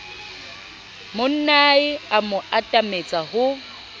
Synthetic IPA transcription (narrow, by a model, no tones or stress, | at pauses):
mʊn̩naɪamʊatʼamet͡sʼahʊ